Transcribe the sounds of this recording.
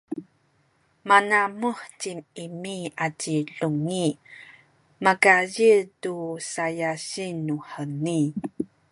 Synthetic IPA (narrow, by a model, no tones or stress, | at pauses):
manamuħtimimiatiɬuŋi | makajitusajaɕinːuħəni